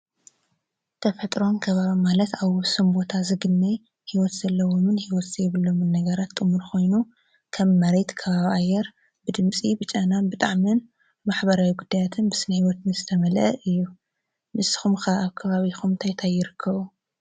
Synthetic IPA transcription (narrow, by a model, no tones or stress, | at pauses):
t̪ʰɐfɐt̪ʼɾo̞nkʰɐβaβimalɐt̪aβʊsɨmbo̞t̪ʰazɨɡɨnːaj | hiwɔt̪z̥ɐlːɐwo̞mɨnhiwɔt̪z̥ɐjβɨlːo̞mɨnːɐɡɐɾat̪ːʼɨmuɾkʰo̞jnu | kʰɐmːɐɾet̪kʰɐβaβiʔajːɛɾ | bɨd̪ɨmt͡sʼibɨt͡ʃʼananbɨt̪ʼaʕmin | maħbɐɾawiɡud̪ːajat̪ʰɨnbɨsɨnɐhiwɔt̪nɨzɨt̪ʰɐmɐlʔɐʔɨjːu | mɨsɨ̥xumxɐaβkʰɐβaβixʰumt̪ʰajt̪ʰajːɪɾɨkʰːɐβu